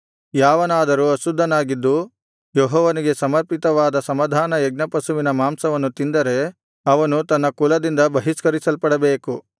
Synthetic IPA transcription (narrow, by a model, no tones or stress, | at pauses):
jaːʋɐnaːd̪ɐɾuɐsud̪ʱːɐnaːɡid̪ːu | jɔɦɔːʋɐniɡe̞sɐmɐɾpit̪ɐʋaːd̪ɐsɐmɐd̪ʱaːnɐjɛɡ̚nɐpɐsuʋinɐmaːmsɐʋɐnːut̪ind̪ɐɾe̞ | ɐʋɐnut̪ɐnːɐkulɐd̪ind̪ɐbɐɦiskɐɾisɐlpɐɽɐbeːku